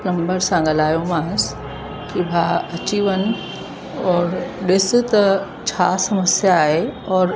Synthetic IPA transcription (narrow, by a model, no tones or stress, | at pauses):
nɐ̃mbəɾsãɡɐlaːjomaːs | kibʱaɐt͡ɕiʋənɪ̆ | ɔːɾɗɪs̆t̪ɐ | t͡ɕʰaːsɐməsjaːɦeɔːɾ